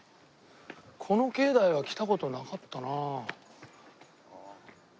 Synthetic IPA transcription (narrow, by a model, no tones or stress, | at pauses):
kʰo̞no̞ke̞ːd̪aiβ̞akʲi̥t̪ako̞t̪o̞nakat̪ːanaː